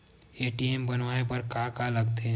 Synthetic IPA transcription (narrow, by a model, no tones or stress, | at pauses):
eːʈiembɐnʋaepɐɾkakaləɡt̪e